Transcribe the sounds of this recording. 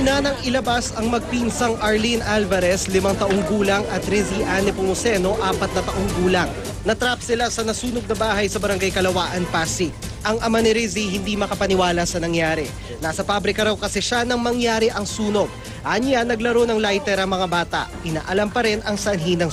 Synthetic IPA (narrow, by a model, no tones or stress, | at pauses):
nanɐŋɪlɐbasɐŋmɐɡ̚pinsɐŋʔɐɹlinʔalvɐɾɛslɪmaŋt̪ɐʔoŋɡuːlɐŋɐt̪ɾɪziʔanɪpomosɛno̞ʔaːpɐt̪̚nɐt̪ɐʔoŋɡuːlɐŋ | nɐt̪ɾapsɪlasɐnɐsuːno̞ɡ̚nɐbaːɦɐjsɐbɐɾɐŋɡajkɐlɐwaːʔɐnpaːsi | ʔɐŋʔɐmanɪɾiziɦɪnd̪imɐkɐpɐnɪwaːlɐsɐnɐŋjaːɾɛ | naːsɐpabɾɪkɐɾɐwkɐsɛʃanɐŋmɐŋjaːɾɪʔɐŋsuːno̞ɡ̚ | ʔaɲjanːɐɡlɐɾo̞nɐŋlajt̪ɛɾɐŋmɐŋabaːt̪ɐ̰ʔʔɪna̰ːʔɐlampɐɾɛnɐŋsɐnɦinɐŋ